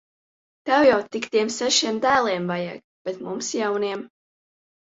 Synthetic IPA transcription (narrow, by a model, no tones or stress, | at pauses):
t̪awjawt̪ikt̪iɛmsɛʃiɛmd̪æːlˠɛɛmvaja̰ːk̚ | b̥et̪mumsjawniɛm